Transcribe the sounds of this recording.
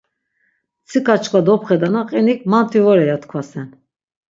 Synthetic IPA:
t͡sʰikʰat͡ʃʰkʰʼad̪ɔpʰχɛd̪anaqʼinikʰmant̪ʰivɔɾɛjat̪kʰvasɛn

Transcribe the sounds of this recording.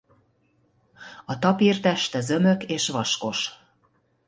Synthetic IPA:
ɒt̪ɒpert̪æʃt̪ə̆zømø̆keʃβɒʃkoʃ

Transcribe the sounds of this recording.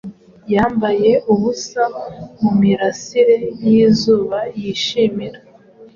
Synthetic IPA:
jaːmbaje̞ʔuβusamumiɾasiɾe̞jiːzuːβajiʃiːmiɾa

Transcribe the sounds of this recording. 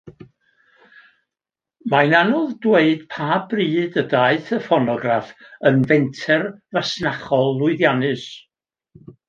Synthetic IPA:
majnanɔðdweɨd̥pʰaːbriːdədaɨθəfɔnɔɡrafənvɛntʰɛrvasnaχɔlˠːʊɨðjanɨs

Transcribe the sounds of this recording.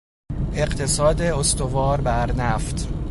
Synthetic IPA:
ʔe̞ɢt̪ʰe̞sɒːd̪eost̪ovɒːɾbæɾnæft̪ʰ

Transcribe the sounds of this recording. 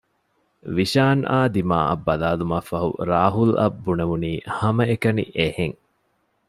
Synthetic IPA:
ʋiʃaːnʔa̰ːd̪ima̰ːʔɐ̰bːɐlaːlumɐfɐɦṵɾaːɦulɐ̰bːunɐʋuniːhɐmɐekɐnḭʔeheŋ

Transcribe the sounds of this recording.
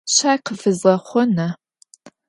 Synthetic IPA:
ɕaːjqəfɨzʁɐχʷɔnɐ

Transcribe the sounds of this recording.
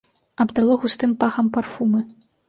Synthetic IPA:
ɐbd̪alˠɔɣust̪ɨmpaxɐmparfumɨ

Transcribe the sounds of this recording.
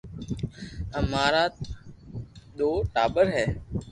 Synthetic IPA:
əmaːɾaːt̪ | ɗ̪oːʈaːbəɾɦɛː

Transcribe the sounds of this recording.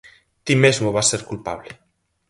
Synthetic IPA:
t̪imezmoβaseɾkulpaβ̞le

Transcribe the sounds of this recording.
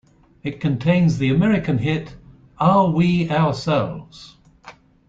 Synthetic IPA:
ɪt̚kʰə̃ntʰẽɪ̃nzðiəmɛɹɪkə̃nɦɪt | əwiaʊəsɛlˠvz̥

